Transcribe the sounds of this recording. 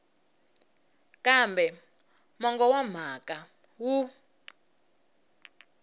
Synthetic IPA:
kʼambɛ | mɔŋɡɔwam̤akʼa | wu

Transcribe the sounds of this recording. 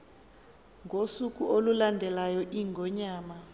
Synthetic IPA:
ŋɡʱosuk̬ʼuʔolulandʱɛlajɔʔiŋɡʱɔɲaːma

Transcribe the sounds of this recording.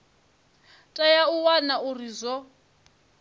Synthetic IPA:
tʼajauwanaʔurizɔ

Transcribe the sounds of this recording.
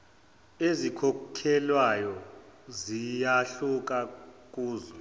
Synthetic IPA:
ezikʰɔkʰɛlwajɔzijaɬuk̬ʼak̬ʼuːzɔ

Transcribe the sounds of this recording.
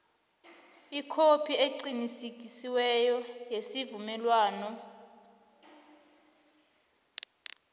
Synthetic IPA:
ikʰopʰieǀinisik̬ʼisiwɛjɔjesivumɛlwaːnɔ

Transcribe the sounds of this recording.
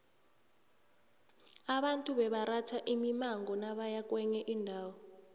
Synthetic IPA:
aɓantʼuɓɛɓaɾatʰaʔimimaŋɡɔnaɓajak̬ʼwɛɲɛʔindʱaːwɔ

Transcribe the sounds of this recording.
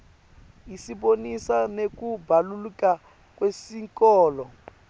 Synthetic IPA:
isiɓonisanek̬ubʱaluluka | k̬wesiŋkɔːlɔ

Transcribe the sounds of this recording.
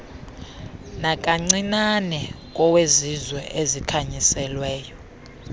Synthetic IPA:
nakʼaŋ͡ǀinanɛ | k̬ʼɔwezizwɛʔezikʰaɲisɛlwɛːjɔ

